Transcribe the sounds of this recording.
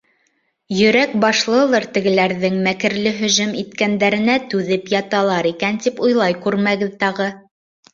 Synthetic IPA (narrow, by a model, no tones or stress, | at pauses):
jɵ̆ɾæk̚bɑʃlˠɤ̆lˠɤɾt̪ɘ̆ɡɘ̆læɾðɘŋmækɘ̆ɾlɘɦɵ̆ʒɵmit̪kænd̪æɾɘ̆næt̪ʉðɘpjɑt̪ɑlˠɑɾikænt̪ipujlˠɑjkʉɾmæɡɘðt̪ɑʁɤ